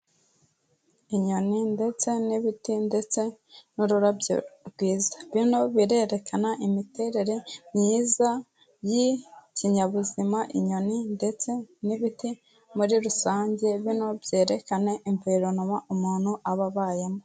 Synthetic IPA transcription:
iɲo̞ninde̞t͡se̞niβitinde̞t͡se̞ | nuɾuɾabɡwiːzḁβino̞βiɾe̞ːɾe̞kanaʔimite̞ɾe̞ɾe̞mɲiːza | jiciɲaβuzimaʔiɲo̞nindet͡se̞niβiti | muɾiɾusaːɲɟe̞βino̞bje̞ːɾe̞kane̞ʔiɱviɾonumaumuːn̥huʔaβaβaːjemo

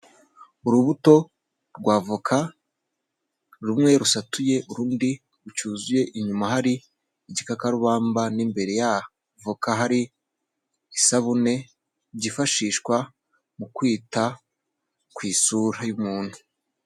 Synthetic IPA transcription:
uɾuβuto̞ | ɾɡwaːvukʰa | ɾumŋe̞ɾusatuje̞ʔuɾuːndi | ɾut͡ʃuːzuje̞ʔiɲumaɦaɾi | iɟikakaɾuβaːmbanimbe̞ɾe̞ja | vukaɦaɾiː | saβune̞ | ɟifaʃiːʃkwa | mukwiːta | kwiːsuɾajumuːnhu̥

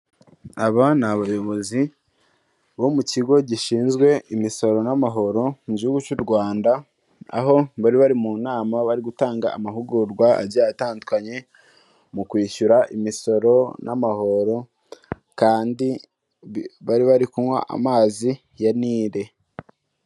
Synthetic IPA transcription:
aβanaβajo̞βo̞zi | βo̞muciɡo̞ɟiʃiːnzɡwe̞imiso̞ɾo̞namaɦo̞ɾo̞muɟihuɡut͡ʃuɾɡwaːnda | a̰ɦo̞βaɾiβaɾimunaːmaβaɾiɡutaːŋɡa̰ːmaɦuɡuɾɡwaa̰ɾɟaːataːndukaɲe̞ | mukwiːʃuɾaʔimiso̞ɾo̞nʔa̰maho̞ɾo̞ | kaːndi | βaɾiβaɾikumwa̰ʔa̰maːzi | janiːɾe̞

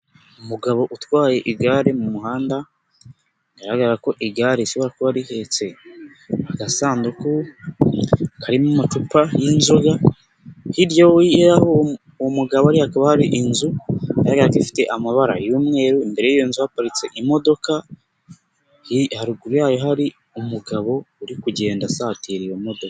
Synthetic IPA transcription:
umuɡaβo̞ʔutwaːje̞ʔiɡaːɾemumuɦaːnda | aɾahaɡaɾaɾako̞ʔiɡaːɾeisoβaɾakohaɾihe̞t͡se̞ | aɡasaːnduku | kʰaɾimumat͡ʃupajinzoɡa | hiɾjoiaho | muɡaβoaɾihakaβahaɾiʔinzukaɾaɡaatifi̥te̞ʔamaβaɾa̰juːmŋe̞ːɾuimbe̞ɾe̞jijonzuhapaɾit͡se̞ʔimo̞do̞ka | hihaɾuɡuɾujaːjo̞ɦaɾi | umuɡaβo̞uɾikuɟe̞ːndasatiɾijomo̞dokḁ

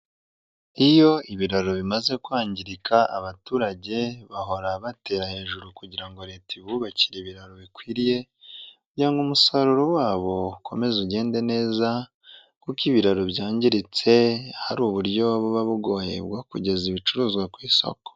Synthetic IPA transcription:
ijo̞iβiɾaɾoβimaze̞kwaːɲɟiɾikʰaʔa̰βatuːɾaɟe̞βaɦo̞ɾaβate̞ɾahe̞ːʒuɾukuɟiɾaŋɡo̞ɾe̞ːtiβuβaciɾeβiɾaɾoβikwiːɾije̞ | kuɟiɾaŋɡumusaɾuɾowaːβo̞kʰo̞me̞zuɟe̞ːnde̞ne̞ːza | kukiβiɾaɾoβjaːɲɟiɾit͡se̞haɾuːβuɾɟo̞βoβaβuɡo̞ːjḛbɡwakuɟe̞ziβit͡ʃuɾuːzɡwakwiːso̰ko̥

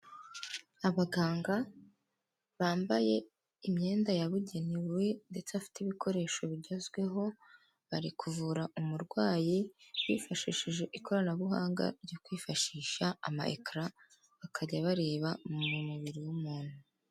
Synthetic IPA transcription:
aβaɡaːŋɡa | βaːmbaje̞ | imɲe̞ːndajaβuɟe̞niwe̞nde̞t͡seβafi̥tiβikʰo̞ɾe̞ːʃo̞βiɟozɡwe̞ɦo̞ | βaɾikʰuvuɾaʔumuɾɡwaːjiβḭːfaʃiʃiʒe̞ʔikʰo̞ɾanaβuɦaːŋɡa̰ɾɟo̞kwiːfaʃiːʃaa̰ma̰ʔḛkɾa | βakʰaɟaβaɾe̞ːβamumuβiɾiwumuːn̥hu

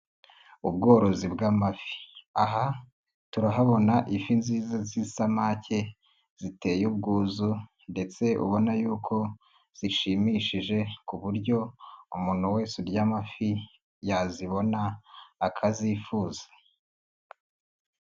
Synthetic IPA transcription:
ubɡo̞ːɾo̞zibɡamafi̥aɦa | tuɾaɦaβo̞naʔifinziːzazisamace̞ | z̥ite̞ːjubɡuːzu | nde̞t͡se̞ʔṵβo̞najuːkʰo̞ | z̥iʃiːmiʃiʒe̞kuβuɾɟo̞umuːn̥huwe̞ːseɾɟaːmafi | jaziβo̞naːkʰazifuːzḁ

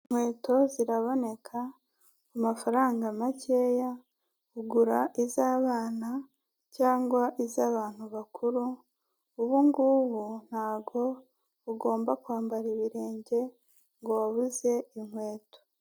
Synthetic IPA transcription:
n̥we̞ːto̞ziɾaβo̞ne̞kʰa | umafaɾaːŋɡamace̞ːja | uɡuɾaʔizaːβaːna | caːŋɡwaʔizaːβaːn̥huβakʰuɾuː | βuŋɡuːβun̥haːβɡo̞ | uɡo̞ːmbakwaːmbaɾiβiɾe̞ːɲɟe̞ | ŋɡowaβuze̞iŋ̥we̞ːto̥

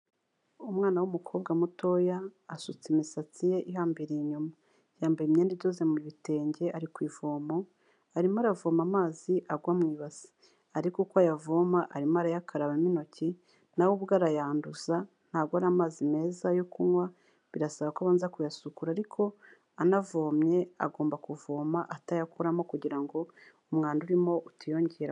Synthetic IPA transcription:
umŋaːnawumukʰo̞ːb̚ɡamuto̞jaːsut͡simisat͡sije̞ʔiɦaːmbiɾeɲuma | jaːmbeimɲeːndiɟozemuɾiβite̞ːɲɟe̞ʔaɾikwiːvoːmo̞ | aɾimaɾavoːmamaːziʔaɡwamŋiːβazi̥ | aɾikukwajavomaʔaɾimaɾajakʰaɾaβimino̞ci | nawoβuɡaɾajaːnduza | n̥haːbɡoaɾamaːzime̞ːzajokumwa | βiɾasaβakaβaːnzakujasukuɾaːɾikʰo̞ | anavo̞ːmɲe̞a̰ɡo̞ːmbakuvoːmaʔatajakʰoɾamo̞kuɟiɾaŋɡo̞ | umŋaːnduɾimo̞ʔutajo̞ɲɟeɾa

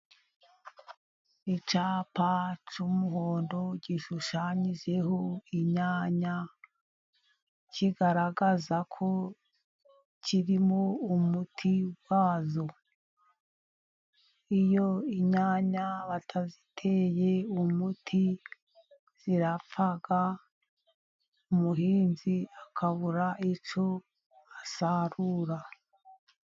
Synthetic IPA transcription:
it͡ʃaːpat͡ʃumuɦoːndo̞ɟiʃuʃaɲiʒe̞ɦo̞iɲaːɲa | ciɡaɾaɡazakʰo̞ | cʰiɾimoumutʰiwaːzo | ijo̞iɲaːɲaβatʰazitʰe̞je̞umutʰi | z̥iɾafaɡ̥a | umuɦiːnziakʰaβuɾaʔit͡ʃo̞ | asaɾuːɾa

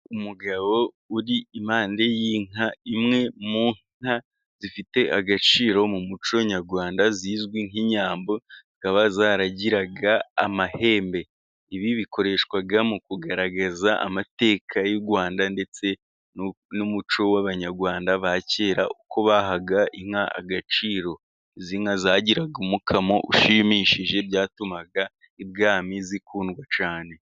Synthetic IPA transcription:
umuɡaβo̞ | uɾiimaːnde̞jiːŋaimŋe̞muːŋ | a | z̥ifite̞ʔaɡat͡ʃiːɾo̞mumut͡ʃoɲaɾɡwaːndaziːzɡwiŋiɲaːmbo̞zikaβazaːɾaɟiɾaɡaːmahe̞ːmbe̞ | iβiβiko̞ɾe̞ʃkwaɡamukuɡaɾaɡazaʔa̰mate̞ːkʰajuɾɡwaːndande̞t͡se̞ | numut͡ʃo̞waβaɲaɾɡwaːndaβace̞ːɾaʔukʰo̞βaɦaɡaiŋ̥haa̰ɡat͡ʃiːɾo̞ | ziŋazaːɟiɾaɡumukʰamouʃimiʃiʒe̞bɟaːtumaɡa | ibɡaːmizikuːnɡwat͡ʃaːne̞

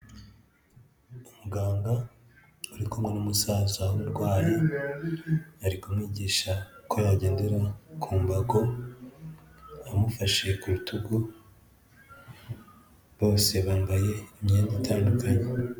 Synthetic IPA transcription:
umuɡaːŋɡa | uɾikumŋenumusaːzauɾɡwaːje | aɾikumŋiːɟiːʃako̞jaɟe̞ːndeɾakʰuːmbaɡo̞ | amufaʃe̞kuɾutʰuɡu | βo̞ːse̞βaːmbaje̞imɲiaɲitʰaːndukʰaɲe

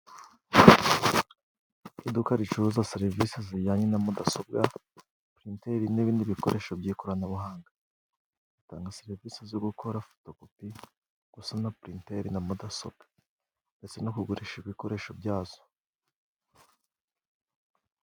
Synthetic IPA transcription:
idukaɾit͡ʃuuzaseɾiviseziɟaɲenamudaso̞b̚ɡa | pɾinteɾiniβiːndiβiko̞̰ɾʔe̞ːʃobɟikoɾanaβuɦaːŋɡa | z̥itaːŋɡaseɾivisezoɡukʰo̞ɾafo̥tokopi | ɡ̥usanapɾinte̞ɾinamudaso̞̰b̚ɡ̥ḁ | nde̞t͡se̞nokuɡuɾeʃiβiko̞ɾe̞ːʃobɟaːz̥o̥

